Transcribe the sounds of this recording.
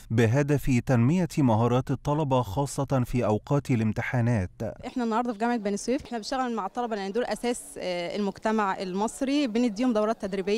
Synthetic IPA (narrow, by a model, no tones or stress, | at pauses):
bɪɦad̪æfit̪ænmɪjæmɑɦɑːɾˤɑːt̪ɨt̪ˤːɑlɑbɑxɑːsˤːɑt̪fiːʔawqɑːt̪ɪlɪmt̪ɪħaːnæːt̪ʔeħnænːɑhɑɾˤd̪ɑfiɡæmʕek̚bæːnswiːfʔeħnæbeʃæɣlæmaʕt̪ˤːɑlɑbɑlʔænːid̪oːlʔæsæːslmoɡt̪æmaʕʔelmɑsˤɾibened̪ːiːhomd̪æwɾɑːt̪ːæd̪ɾibejː